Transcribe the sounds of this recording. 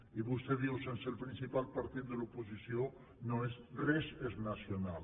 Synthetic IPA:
iβust̪ɛðiwsensəlˠpɾinsipalˠpaɾt̪it̪̚d̪əlupusisio | noezrɛzeznasjonal

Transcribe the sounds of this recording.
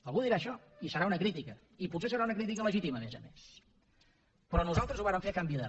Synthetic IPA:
əlˠɣuðiɾaːʃɔ | isəɾaunəkɾit̪ikə | iputses̬əɾaunəkɾit̪̬ikələʒit̪iməmezəmes | pɾɔnuzalˠt̪ɾəzuβaɾəɱfekambiðə

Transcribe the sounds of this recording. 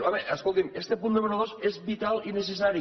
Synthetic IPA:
aβeʔaskolˠt̪imest̪epund̪emeɾoð̞osezβit̪alinesesaɾi

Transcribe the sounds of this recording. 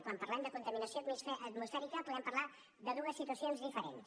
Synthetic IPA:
kwampəɾlɛmd̪əkunt̪əminəsiot̪misɛʔət̪musfɛɾikəpuðɛmpəɾla | d̪əðuəsːit̪uəsionzðifəɾens

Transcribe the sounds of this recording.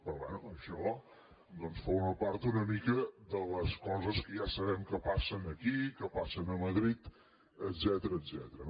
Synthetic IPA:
pɾɔβwɛnuəʃɔ | d̪ɔnsfɔɾməpaɾt̪unəmikəd̪ələskɔzəskəjasəβɛmkəpasənəkikəpasənəməðɾit̪ | əd̪zɛt̪əɾəːzɛ̰t̪əɾə

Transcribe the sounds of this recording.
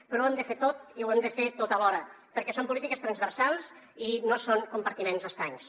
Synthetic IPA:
pɾɔwemd̪əfet̪ot̪iwemd̪əfet̪ot̪alɔɾəpəɾkɛsompulit̪ikəst̪ɾənzβəɾsalˠs | inosoŋkumpəɾt̪imenzəst̪ɾaɲs

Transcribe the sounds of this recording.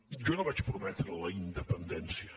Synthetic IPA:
ʒɔnoβat͡ʃpɾumɛt̪ɾələind̪əpənd̪ɛnsiə

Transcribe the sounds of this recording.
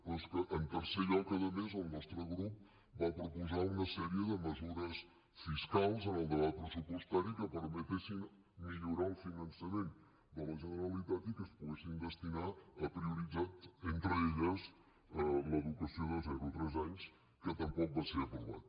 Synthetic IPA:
ɔskəʔːnt̪əɾseʎɔkəðəmezəlˠnɔst̪ɾəɣɾup̚ | bapɾupuzaunəsɛɾiəðəməzuɾəs | fiskalˠzənəlˠd̪əβat̪̚pɾəsupwəst̪aɾikəpəɾmət̪esin | miʎuɾaəlˠfinənsəmen | d̪ələʒənəɾəlit̪at̪ikəspuɣesind̪əst̪inaəpɾiuɾid͡zat̪ent̪ɾəeʎəz | ələðukəsioðəlˠzɛɾut̪ɾɛzaɲs | kət̪əmpɔk̚baseɾəpɾuβa̰t̪̚

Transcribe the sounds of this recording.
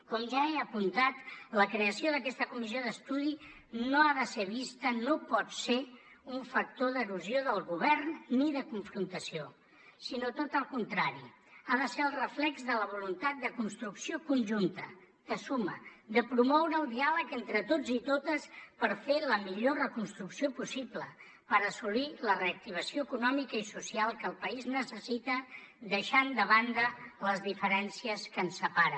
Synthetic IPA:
kɔmʒaeəpunt̪at̪ləkɾeəsioðəkɛst̪əkumizioðəst̪uði | noaðəseβ̞ist̪ənopɔt̪se | uɱfək̚t̪oðəɾuzioðəlˠɣuβ̞ɛrnːiðəkuɱfɾunt̪əsio | sinot̪ot̪əlˠkunt̪ɾaɾḭ | aðəseəlˠrəflɛkzðələβ̞ulunt̪at̪̚d̪əkunst̪ɾuksiokunʲʒunt̪ə | t̪əsuməd̪əpɾumɔwɾəːlˠd̪ialəkent̪ɾət̪od͡zit̪ot̪əspəɾfeləmiʎorəkunst̪ɾuksiopusiblə | pəɾəsuliləreək̚t̪iβ̞əsioəkunɔmikəisusialˠkəlˠpəiznəsəsit̪ə | d̪əʃand̪əβand̪ələzðifəɾɛnsiəskənsəpaɾə

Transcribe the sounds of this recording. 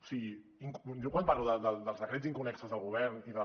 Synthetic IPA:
u̥siɣi | iŋkʒɔkwamparluðəd̪əld̪əlˠzðəkɾeziŋkunɛksəzðəlɣuβ̞ɛɾniðə

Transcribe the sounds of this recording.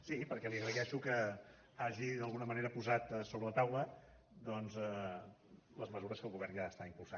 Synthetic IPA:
sipəɾkɛliəɣɾəðɛʃukə | aʒiðəlˠɣunəməneɾəpuzat̪soβɾələt̪awlə | d̪ɔnzɛ | ləzməzuɾəskəlˠɣuβɛrnʒaəst̪aimpulˠsa

